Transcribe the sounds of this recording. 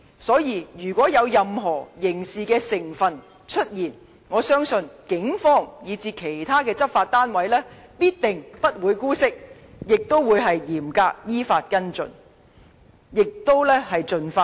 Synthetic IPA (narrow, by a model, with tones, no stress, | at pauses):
sɔː˨˥jiː˧jyː˨˩kʷwɔː˨˥jɐ˨˧wjɐ˨mɦɔː˨˩jɪ˨˩ŋsiː˨˧kɛː˧sɪ˨˩ŋfɐ˨n | t͡ʃʰɵ˥t̚jiː˨˩n | ŋɔː˨˧sœː˥ŋsɵ˧nkɪ˨˥ŋfɔː˥ŋjiː˨˧t͡siː˧kʰe˨˩jt̪ʰaː˥kɛː˧t͡sɐ˥p̚faː˧t̚t̪aː˥nwɐ˨˥jlɛː˥piː˥t̚t̪ɪ˨ŋpɐ˥t̚wuː˨˧jkuː˥sɪ˥k̚jɪ˨k̚t̪o˥wwuː˨˧jɦɐ˨jjiː˨˩mkaː˧k̚jiː˥faː˧t̚kɐ˥nt͡sɵ̰˨n | jɪ˨k̚t̪o˥wlɛː˥hɐ˨jt͡sɵ˨nfaː˧